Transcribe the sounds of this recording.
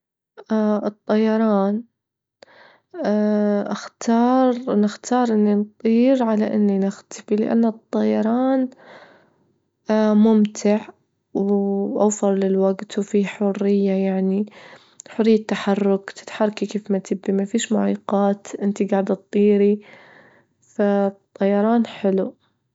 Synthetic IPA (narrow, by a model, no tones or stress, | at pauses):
ʔaʔɨt̪ˤːɑjɑɾˤɑːn | ʔaxt̪ʰɑːɾˤnɪxt̪ʰɑːɾˤʔɪnːint̪ˤiːɾʕalaʔɪnːinɪxt̪ḁfilɪ̰ʔa̰nːat̪ˤːɑjɑɾˤɑːn | mʊmt̪ʰɪʕ | wʔa̰wfɪɾˤlɪlwaɡt̪wfiħʊrːɪjːajaʕni | ħʊrːɪjːat̪ːaħɑrːʊkt̪ɪ̥t̪ħɑrˤːɑkikeːfmat̪ɪbːimafiːʃmʊʕiːqɑːt̪ʔɪnt̪iɡaːʕd̪t̪̚ˤːiːɾi | fat̪ˤːɑjɑɾˤɑːnħɪlu